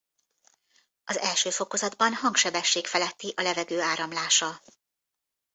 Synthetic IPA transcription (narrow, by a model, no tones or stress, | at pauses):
ʔɒzɛlʃøːfo̞ko̞zɒd̪bɒnhɒŋkʃɛbɛʃːeːkfɛlɛt̪ːiʔɒlɛvɛɡøːaːɾɒmlaːʃɒ